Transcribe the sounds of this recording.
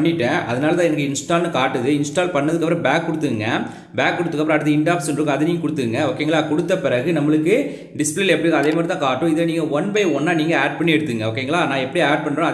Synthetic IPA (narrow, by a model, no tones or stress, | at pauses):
ɳːɪʈːẽʔɐðɐnaːlɐt̪ãːɛnɐkːɯɪnsʈaːlnɯkaːʈːɯðɯɪnsʈaːlpɐɳːɐðɯkːɐpːɾɐ̃baːkːʊɽɯt̪ːɯɯŋɡɐ | baːkːʊɽɯt̪ːɯkːɐpːɾ̃ɐ̃aːʈːɐðɐɪɳɖaːpsnrɯkːɯɐðɐniːŋɡɐkʊɽɯt̪ːɯɯŋɡɐoːkːeːŋɡɐɭaːkɔɽɯt̪ːɐpɪɾɐɣɯnɐmːɐɭɯkːɯ | ɖɪspliːlɐɛpːɐɽiŋɡɐðeːmaːɾɪt̪ãːkaːʈːʊ̃ɪðeniːŋɡɐʋɐnbɐɪɔnːaːniːŋɡɐaːɖ̚pɐɳːiɛɽɯt̪ːɯŋɡɐoːkːeːŋɡɐɭaːnãːɛpːɐɽiaːɖ̚pɐɳɖɾõɐ